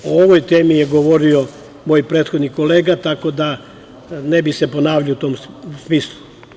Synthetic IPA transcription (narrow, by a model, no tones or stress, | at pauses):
ooʋojt̪eːmijeɡoʋoɾio̞ | mo̞jpɾet̪xod̪niko̞le̞ːɡat̪ako̞d̪a | nebise̞po̞naːʋʎaout̪o̞ːmsmislˠu